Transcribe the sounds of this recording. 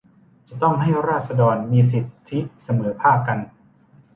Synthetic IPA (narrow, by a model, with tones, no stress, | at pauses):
t͡ɕa˨˩t̪ɔ˥˩ŋɦa˥˩jɾaː˥˩t̪̚sa˧dɔː˧nmiː˧si˨˩t̪ʰːi˦˥sa˧mɤː˩˦pʰaː˥˩p̚ka˧n